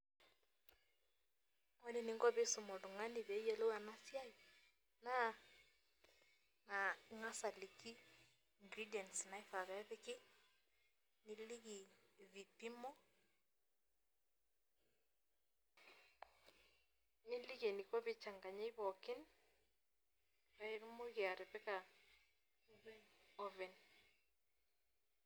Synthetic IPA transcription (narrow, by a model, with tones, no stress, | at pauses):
ɔ˦ne˦˨ni˨ŋɡɔ˦βe˦su˨mɔ˨du˨ŋa˦ni˨βɛ˨˦jɛ˦lo˦a˨na˦sja˦j | na˦ | na˨˦ŋa˦sa˨li˨ki˦ | ŋɡɾi˦djɛ˨nsna˨i˦fa˨βɛ˦βɪ˦kɪ˦ | ni˦li˦ɣi˨βi˨pi˦mɔ˦ | nɪ˦li˦ɣe˨ni˨kɔ˦βɪ˦t͡ʃa˨ŋɡa˨ɲe˦i˦βɔ˨kɪ˦n | pa˦e˦ɾmo˦ɣɪ˨a˨ɾɛ˨pɛ˦ka˨ | ɔvɛ˨n